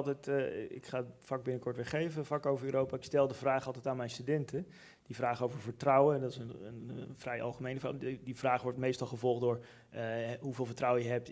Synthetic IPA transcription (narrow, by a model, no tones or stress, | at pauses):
lˠtɛjtɪ̰kχaːfɑɡ̚bɪnəkɔɹtʋɪχejvəvakowvəɹyːɾowpaːɪkstɛlˠdəvraːχɑlˠtɛjtaːnmɛjnstydɛntə | d̥ivraːχowvəɹvəɹtrʌwədɑtɪsənənvrɛjʔɑ̰lˠχəmejnəfa̰divraːχʋɔɹtmejstɑlˠχəvɔlˠχdʊːɹ | ɦuveːlˠvəɹtrʌwəjəɦɛp̚t